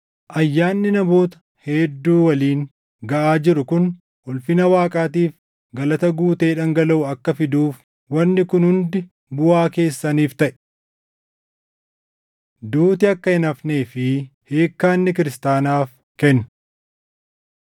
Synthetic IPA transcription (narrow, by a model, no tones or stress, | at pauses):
ʔɐjːaːnːɪnɐbo̞ːt̪ɐ̥ | heːd̪ːuːwɐliːŋ | ɡɐʔaːd͡ʒɪɾʊkʊn | hʊlfɪnɐwaːkʼaːt̪iːf | ɡɐlɐt̪ɐɡuːt̪e̞ːᶑɐŋɡɐlɐʔʊɐkːɐfɪd̪uːf | wɐnːɪkʊnhʊnd̪ɪ | bʊaːke̞ːsːɐniːft̪ɐʔɛ̥ | d̪uːt̪ɪɐkːɐɪnɐfne̞ːfɪheːkːaːnːɪk̬ɪɾɪst̪aːnaːf | kɛnːʊ̥